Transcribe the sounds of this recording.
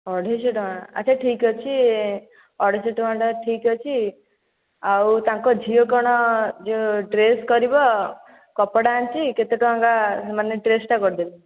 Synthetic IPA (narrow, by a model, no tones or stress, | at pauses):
ɔɽʱeseʈmaɽa̰t͡ʃʰaʈʰikɔt͡ʃʰi | ɔɽʱeseʈmaɳɖɔʈʰikɔt͡ʃʰi | awt̪ãŋkɔd͡ʒʱiokɔɽ̃ɔd͡ʒeʈɾeskɔɾibɔ | kɔpɔɽaːnt͡ʃʰiket̪eʈuãŋkasemaneʈɾesʈakɔɾd̪ibi